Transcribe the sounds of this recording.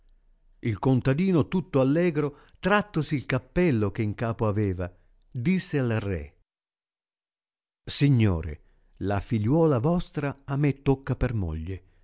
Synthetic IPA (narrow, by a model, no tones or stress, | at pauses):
ilkont̪ad̪iːnot̪ut̪ːoalːɛːɡɾo | t̪ɾat̪ːosiːlkapːɛlːok̟eiŋkaːpoaveːva | d̪isːealrɛ̰ | siɲːo̰ːɾḛ | lafiʎːwɔːlavɔst̪ɾaamet̪ːokːapermo̰ʎːe